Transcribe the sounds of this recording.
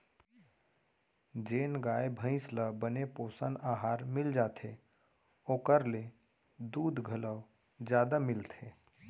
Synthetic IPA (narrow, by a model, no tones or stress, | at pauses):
d͡ʒeːnɡaːebʱə̃ɪ̃sləbənepoːsənaːɦaːɾmɪld͡ʒaːt̪ʰe | oːkəɾle | d̪uːd̪ʱɡʱələw | d͡ʒjaːd̪amɪlt̪ʰeː